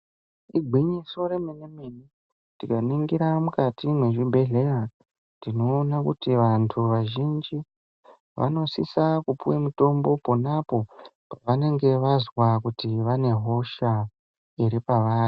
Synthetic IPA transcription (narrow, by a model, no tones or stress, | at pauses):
iɡʱwiɲiso̞ɾemenemeni | tikaniŋɡiɾamukatimwe̞ʐibʱe̞ɮe̞ra | ndino̞ːnakutiʋantʰuʋaʒind͡ʒi | ʋa̰no̞sisakupuwemuto̞mbo̞ponapo̞ | paʋane̞ŋɡe̞ʋazwakutiʋane̞ɦo̞ʃa | iɾipaʋaːri